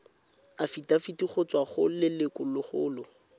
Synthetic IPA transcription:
afitafitiχʊt͡swaχʊlɪlɪkʊlʊχʊːlʊ

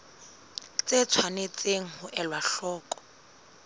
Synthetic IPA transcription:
t͡set͡sʰwanet͡sʼeŋ̩hʊʔɛlwaɬɔːkʼɔ̥

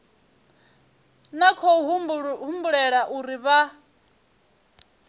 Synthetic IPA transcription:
nakʰɔɦɦumbuɺɛɺaʔuɾiβa

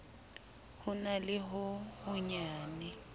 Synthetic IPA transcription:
hʊnalɪɦʊhʊɲaːnɛ

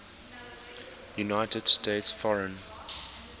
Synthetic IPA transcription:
junaɪtəd̥steɪtsfɔɹə̃n

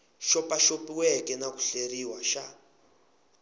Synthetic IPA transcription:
ʃɔpaʃopiwɛkɛnaku̥ɬeriwaʃa

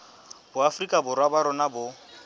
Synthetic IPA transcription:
bʊafrikʼabʊrwabaɾʊnabʊ

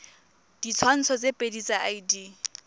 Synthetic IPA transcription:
d̥it͡sʰwan̩t͡sʰɔt͡sepʼedit͡saʔaidi

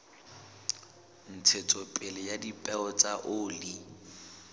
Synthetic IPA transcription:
n̩t͡sʰet͡sʼɔpʼɪlɛjadipʼɛɔt͡sʼaʔʊːli

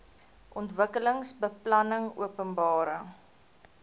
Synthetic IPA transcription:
ʔɔntvəkələŋsbəplɐnəŋṵəpənbɑːɾəŋ

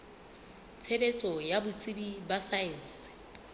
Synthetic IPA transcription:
t͡sʰebet͡sʼɔjabʊt͡sʼibibasaɛn̩sɪ̥

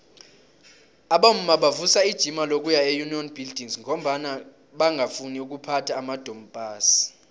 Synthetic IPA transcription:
aɓam̩maɓavusaid̥ʒ̥ʱimalok̬ʼujaejuniɔnb̥ʱild̥ʱiŋzŋʱɔm̩ɓana | ɓaŋʱafuniuk̬upʰatʰaːmad̥ʱɔmb̥ʱaːsi̥

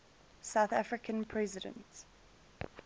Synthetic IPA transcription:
saʊθafɹɪkʰə̃npʰɹɛzɪdə̰̃nt

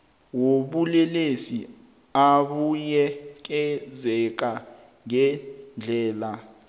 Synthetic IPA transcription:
woɓulɛlesi | aɓujɛk̬ɛzɛk̬a | ŋɛnd͡ɮʱɛːla

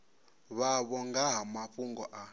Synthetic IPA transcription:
βaβɔŋɡaɦamaɸuŋɡɔʔa

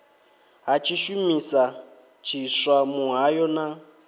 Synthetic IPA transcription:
ɦat͡ʃʰiʃumisa | t͡ʃʰiswamuɦajɔna

